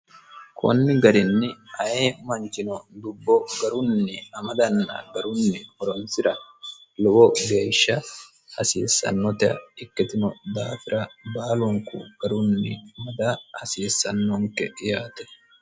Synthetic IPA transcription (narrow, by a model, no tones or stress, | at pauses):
kʰɔ̰nːɪɡɐɾɪnːɪɐjeːmɐnt͡ʃɪnɔd̪ʊbːɔɡɐɾʊnːɛɐmɐd̪ɐnːɐ̰ɡɐɾʊnːɛhɔɾɔnsɪɾɐlɔwɔɡeːʃːɐ | hɐ̰seːsːɐ̰nːɔt̪ɛɐ̰ɪkːɛt̪ɪnɔd̪aːfɪɾʔɐbaːlɔŋkʊ̰ɡ̥ɐɾʊnːɪmɐd̪ahɐseːsːɐnːɔŋkɛjaːt̪ɐ̥